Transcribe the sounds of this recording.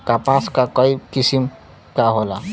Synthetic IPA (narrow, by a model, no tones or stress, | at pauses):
kapãsʰkakʌikisim | kaɦola